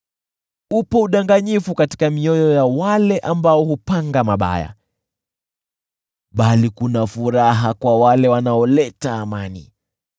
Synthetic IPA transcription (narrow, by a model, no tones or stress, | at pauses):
upɔuɗaŋɡaɲifukati̥kamiɔjɔjawalɛʔambaɔhupaŋɡamaɓa̰ja̰ | ɓalikunafuɾaɦakwawalɛwanaɔlɛtaːmanḭ